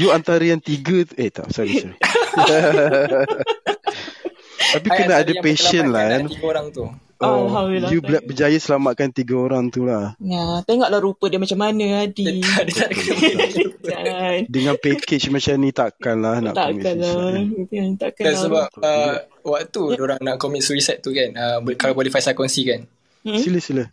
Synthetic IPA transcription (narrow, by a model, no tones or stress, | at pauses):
juant̪aɾəjaŋt̪iɡət̪et̪a̰ʔsaɾisa | t̪ap̬ikənaadəpeʃənlaanɡoɾaŋt̪u | ʔɔalajubəd͡ʒajasəlamaʔ̪̚kant̪iɡəoɾaŋt̪ulahat̪eŋɔʔlahɾupədəmat͡ʃamːanə̃adiadət̪aka | andəŋãnpeket͡ʃmat͡ʃamnĩt̪aʔkanlahna̰ʔt̪a̰mianla | nt̪aʔkadansəbap̚əwak̚t̪udoɾaŋnaʔkomit̪̚swisɛt̪̚t̪ːukanəbkalabolifajsakɔnsikan̩ | siləhsiləh